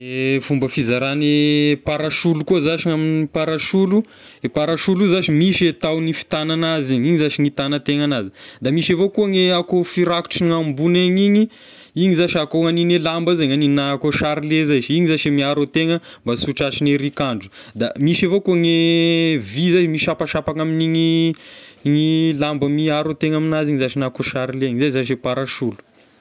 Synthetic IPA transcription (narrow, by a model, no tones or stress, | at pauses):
efumbəfizaɾanepaɾaʃulukuəzaʃiaminipaɾaʃulu | epaɾaʃuluzaʃimiʃet̪awnifi̥t̪ananaziɲiɲizaʃiŋit̪anət̪eŋanazid̪amiʃevokuəŋeakofiɾaku̥ʈ͡ʂiŋambuneɲiɲi | iɲizaʃakoŋaninelambəzeɲaninakoʃaɾilezaʃiɲizaʃimiaɾot̪eŋəmbasuʈ͡ʂat͡ʃineɾikaɳɖ͡ʐu̥ | d̪amiʃavokuŋe | vizazimiʃapaʃapaŋaminiŋi | ŋilambəmiaɾot̪eŋaminaziɲizaʃinakoʃaɾileɲizazaʃepaɾaʃulu̥